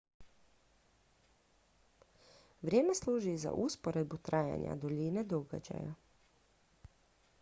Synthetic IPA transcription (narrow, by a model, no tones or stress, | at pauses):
ʋɾʲjeːmesluːʒiza̰ʔuspoɾed̪̚but̪ɾaːja̰ɲa̰d̪oʎined̪oɡa̰d͡ʒa̰ja